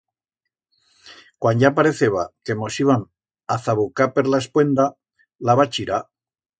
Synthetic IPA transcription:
kwanɟapaɾeθeβake̞mo̞siβan | aθaβukapeɾlaespwe̞nd̪a | laβat͡ʃiɾa

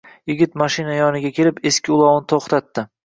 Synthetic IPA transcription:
jɪɡʲɪt̪maʃɪnajɒnɪɡʲakʲʰe̞lɪpe̞skʲʰɪʊlˠɒwnt̪ʰoχt̪ʰat̪ːɪ

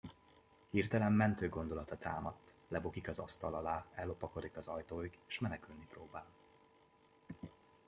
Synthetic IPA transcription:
hirt̪ɛlɛmːɛnt̪øːɡo̞nd̪o̞lɒt̪ɒt̪ʰa̰ːmɒt̪ːlɛbokikɒzɒ̰st̪ɒlɒlaːɛlːo̞pɒko̞d̪ikɒzɒjt̪oːiɡeːʃmɛnɛkylniproːbaːl

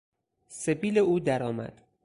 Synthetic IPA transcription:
sebiːleuːd̪æɾɒːmæ̰d̪̥

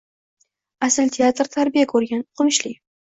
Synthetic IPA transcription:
asɪlt̪ʰeat̪ɾt̪ʰaɾbijakʰɵɾɡʲanqʰʊmʃlɪ

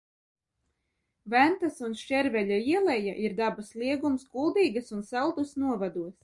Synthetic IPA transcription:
vænt̪asunʃt͡ʃɛɾvɛʎʲaiɛlˠɛja̰ʔiɾd̪abaslˠiɛɡumskulˠd̪iːɡasunsælˠd̪usnuɔvad̪uɔs

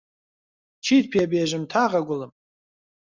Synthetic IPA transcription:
t͡ʃʰit̚pʰiabiaʒɪmtʰaʁaɡʷʊlɨm

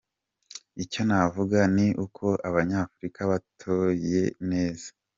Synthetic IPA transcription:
ico̞navuɡaniʔukʰo̞ʔaβaɲaːfuɾikaβatʰoje̞ne̞ːz̥ḁ

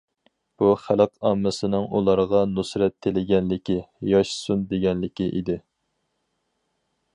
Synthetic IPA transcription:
b̥uχæləqɑmːɨsɨnɨŋulˠɑɾʁɑnusɾɛt̪ʰːelɪɡʲɛnlɪkʲijɑʃsund̪eɡʲɛnlɪkʲiʔḭd̪ɪ

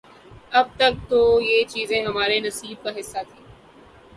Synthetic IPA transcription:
ɐb̚t̪ɐk̚t̪ojeːt͡ʃiːzẽɦɐmaːɾenɐsiːb̚kaɦɪsːat̪ʰĩː

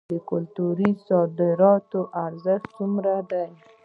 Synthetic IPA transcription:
d̪əkʊlt̪uɾisɑd̪ɪɾɑt̪oʔaɾzɪxt͡sumɾad̪aj

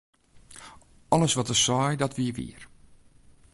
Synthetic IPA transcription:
ɔlˠəsʋɔtəsɔjdɔtʋiəʋḭər

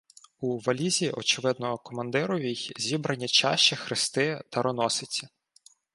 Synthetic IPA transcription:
uʋɐlʲizʲiʔɔt͡ʃɪʋɪd̪nɔɦɔkɔmɐnd̪ɪɾɔʋʲijzʲibɾɐnʲːit͡ʃɑ̰ʃt͡ʃɛxɾɪst̪ɪt̪ɐɾɔnɔsɪt͡sʲi

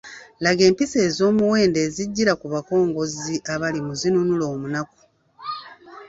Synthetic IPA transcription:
laɡe̞ːmpise̞ːzo̞ːmuwe̞ːnde̞ːziɟːiɾakuβako̞ːŋɡo̞ziʔaβalimuzinunulo̞ːmunaku̥

